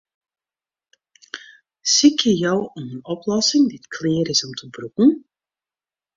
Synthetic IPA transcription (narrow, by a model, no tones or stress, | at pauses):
sikjəjœwɔmənɔplɔsɪŋditkʰleːɾɪsɔmtəbɾukən̩